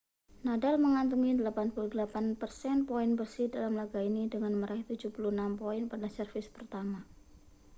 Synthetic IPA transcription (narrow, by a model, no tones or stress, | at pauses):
nadalməŋant̪̬uŋidəlapanpuludəlapanpərsɛnpoɪnbərsɪhdalamlaɡainidəŋanməɾʔaht̪ud͡ʒupuluənampoɪnpadasərfɪspərt̪ama